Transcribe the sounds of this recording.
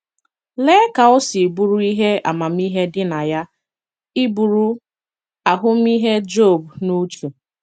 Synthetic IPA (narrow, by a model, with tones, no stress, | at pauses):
le˦ka˨ʊ˦si˨bu˦ɾu˦i˦ɦe˦a̰˨ma˨m̩˦i˦ɦe˦dɪ˦na˨ja˦ | ɪ˦bu˨ɾu˦ | a˨ɦʊ˦m̩˦i˦ɦe˦d͡ʒo˦˨bnu˦t͡ʃu˨